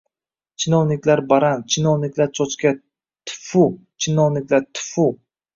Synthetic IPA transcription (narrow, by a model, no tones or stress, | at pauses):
t͡ʃʰɪnɒwnɪkʲlaɾbaɾant͡ʃʰɪnɒwnɪkʲlaɾt͡ʃʰɒt͡ʃkʲa | t̪ʰʊ̥fu | t͡ʃʰɪnɒwnɪkʲlaɾt̪ʰʊ̥fʊ